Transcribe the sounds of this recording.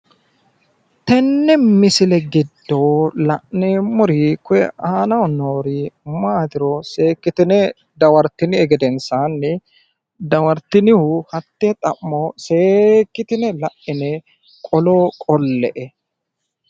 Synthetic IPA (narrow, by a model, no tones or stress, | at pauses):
t̪ɛnːɛmɪsɪlɛɡɪd̪ːoːlɐʔnemʊɾiːkʊɛ̰aːnɐɔnoːɾiːmaːd̪ɪɾoseːkːɪt̪ɪnɛ | d̪ɐwɐɾt̪ɪnɪɛɡɛd̪ɛnsaːnːɪ | d̪ɐwɐɾt̪ɪnɪhuhɐt̪ːet̪ʼɐʔːoːseːkːɪt̪ɪnɛlɐʔːɪnɛ | kʼɔloːkʼɔlːɛʔɛ